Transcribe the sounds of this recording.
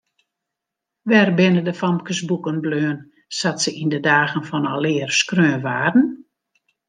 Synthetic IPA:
ʋɛrbɪnədəfɔmkəsbukənbløːən | satsəʔindədaːɣənfɔnɔlɪːərskrøːnʋaːdn̩

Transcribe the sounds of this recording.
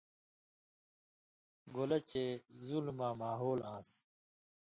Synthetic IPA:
ɡolɐt͡ɕezulmãːmaːɦoːlãːs

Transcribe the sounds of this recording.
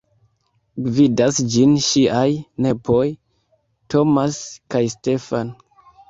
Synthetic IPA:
vidasd͡ʒinʃiʔajne̞pʰoj | to̞maskajste̞fan

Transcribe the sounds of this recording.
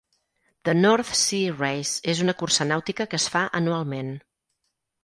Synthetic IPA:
d̪̥ənɔɾt̪sirejzezunəkursənawt̪ikəkəsfaʔənualˠmen

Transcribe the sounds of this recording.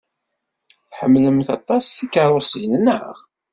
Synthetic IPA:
θħəmːləmθɑt̪ˤːɑsθikːəɾˤʊsijnənə̰ʁ

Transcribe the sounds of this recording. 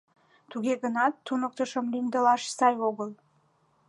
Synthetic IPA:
t̪uɡʲeɡənɑt̪ːunək̚t̪əʃəmlind̪əlɑʃsɑjoɣəlˠ

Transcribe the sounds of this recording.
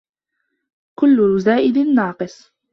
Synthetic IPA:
kʊlːʊzaːʔɪd̪ɪnːɑːqɨsˤ

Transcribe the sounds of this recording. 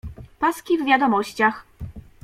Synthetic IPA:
paskʲivvʲjad̪ɔmɔɕt͡ɕax

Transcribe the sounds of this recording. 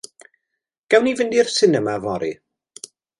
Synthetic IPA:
ɡ̥ɛwnivɪndirsɪnəmavɔɾḭ

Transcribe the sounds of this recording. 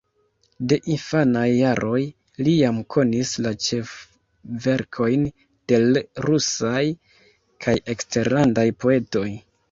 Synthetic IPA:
de̞ʔinfanajːaɾʔo̞j | lijamkʰo̞nislat͡ʃe̞f | ve̞ɾkʰo̞jn | d̥e̞lɾusaj | kʰaje̞kste̞ɾlandajpo̞e̞to̞j

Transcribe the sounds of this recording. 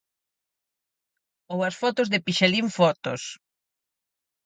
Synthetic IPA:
owɐsfɔt̪ʊzðɪpiʃeliɱfɔt̪ʊ̰s

